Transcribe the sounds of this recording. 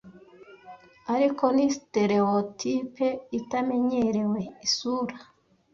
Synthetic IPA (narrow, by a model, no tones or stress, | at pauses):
aɾiko̞nisite̞ɾeotʰipeitame̞ɲe̞ɾe̞we̞isuːɾa